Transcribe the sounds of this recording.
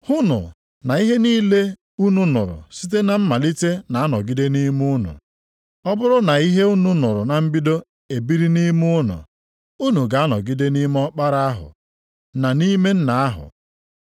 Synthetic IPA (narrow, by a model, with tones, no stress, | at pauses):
hʊ˦nʊ̰˨ | na˨i˦ɦe˦niː˦le˦ | u˦nu˦nʊ̰˨ɾʊ̰˨si˦t̬e˦na˨m̩˦ma˨li˦te˦na˨a˦nɔ˨ɡi˦de˦ni˦mu˦nʊ̰˨ | ɔ˦bʊ˦ɾʊ˦na˨i˦ɦe˦u˦nu˨nʊ˨ɾʊ˨na˨m̩˦bi˦do˦ | e˨bi˦ɾi˦ni˦mʊ˦nʊ̰˨ | u˦nu˨ɡa˨a˦nɔ̰˨ɡi˦de˦ni˦m˦ɔ˦k͡pa˦ɾa˦a˦ɦʊ̰˨ | na˨ni˦me˦n̩˦na˨a˦ɦʊ̰˨